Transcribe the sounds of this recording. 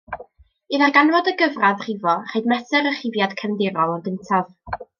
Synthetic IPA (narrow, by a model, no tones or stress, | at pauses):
ɨðaɡanvɔdəɡəvraðr̥ɪvɔr̥ejdmɛsəɾəχɪvjad̥kʰəmðɪɾɔlˠɔnɡɪntʰav̥